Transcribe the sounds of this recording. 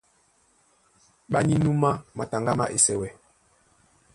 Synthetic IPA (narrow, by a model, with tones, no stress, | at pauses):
ɓa˦ɲi˦nu˦ma˦ma˨ta˨ŋɡa˦ma̰˦ʔe˨sɛ˦wɛ˨